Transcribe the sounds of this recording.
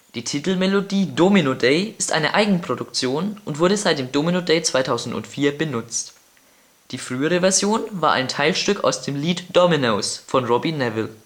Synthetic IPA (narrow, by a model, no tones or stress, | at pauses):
d̥iːtʰitl̩mɛlodiːdominodeɪɪstʔa̰ɪnəʔa̰ɪɡŋ̩pʁ̥odʊkt͡sjoːnʔʊntv̥ʊɐɾəzaɪt̚d̥eːmdominodeɪt͡sv̥aɪtʰaʊzn̩tʊ̰ntfiːɐbənʊt͡st | d̥iːfʁ̥yːəʁ̞əvɛɐzjoːnvaːɐʔa̰ɪntʰaɪlʃtʏka̰ʊsd̥eːmliːtd̥ɔminosfɔnʁɔbinɛvɪl